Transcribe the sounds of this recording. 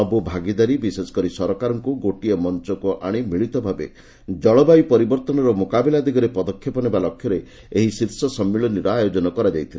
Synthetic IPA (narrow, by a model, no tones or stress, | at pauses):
ɔbubʱaɡid̪aɾibisesɔ̥kɔɾisɔɾɔkaɾɔŋkuɡoʈiɔmɔnt͡ʃɔkuʔaɽ̃imiɭit̪ɔbʱabḛ | d͡ʒɔɭɔbajpɔɾibɔɾt̪ɔnɔɾɔmokabelad̪iɡɔɾepɔd̪ɔkʰːjɔpɔnebalɔkʰjɔɾe | eɦisiɾsɔsɔmːiɭɔniɾɔajod͡ʒɔnɔkɔɾad͡ʒajt̪ʰila